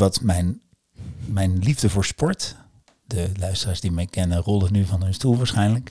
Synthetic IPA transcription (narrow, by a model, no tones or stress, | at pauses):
ʋɑtmɛjn | mɛjnlivdəvʊːɹspɔɹt | dəlœɥstəraːɹzdimɛjkɛnənrɔlˠənyvɑnɦɵnstulˠʋaːɹsχɛjnlək